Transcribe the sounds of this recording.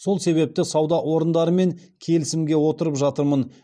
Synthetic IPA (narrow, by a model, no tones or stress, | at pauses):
so̞lˠse̞βe̞p̚t̪ɪsɑwd̪ɑwo̞ɾənd̪ɑɾəme̞ŋ | kʲʰe̞lɪsɪmɡʲe̞wo̞t̪əɾəpʒɑt̪əɾmən